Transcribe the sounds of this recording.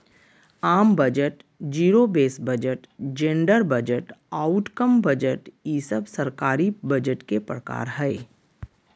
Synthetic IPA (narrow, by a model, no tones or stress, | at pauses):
aːmbəd͡ʒəʈ | d͡ʒiːɾobeːsbəd͡ʒəʈd͡ʒẽɳɖəɾbəd͡ʒəʈaːʊʈkəmbəd͡ʒəʈjiːsəbsəɾkaːɾibɐd͡ʒəʈkepɾəka̰ːɾɦɛɪ